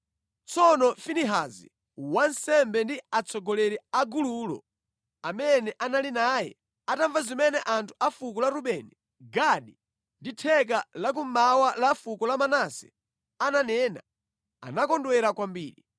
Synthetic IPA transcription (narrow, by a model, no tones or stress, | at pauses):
t͡sɔnɔfiniɦazḭ | wansɛmbɛndiat͡sʰɔɡɔlɛɾɛaɡuluːlɔ̰ | amɛnɛʔanalinaːjɛ̰ | ataɱvazimɛnɛʔantʰu̥afukɔlaɾuɓɛni | ɡaɗi | nditʰɛk̬alak̬umawalafukɔlamanasɛ̥̰ | ananɛːna̰ | a̰nakɔndwɛɾakwambiːɾi